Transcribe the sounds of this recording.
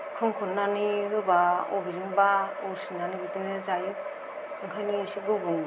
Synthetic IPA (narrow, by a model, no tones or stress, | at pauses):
kʰɯŋkʰɔnnːaniɦɯbaɔbiɾɯŋbaɔɾsinanibitinɯzajɯ | ɯŋkʰajnisiɡɯbɯŋ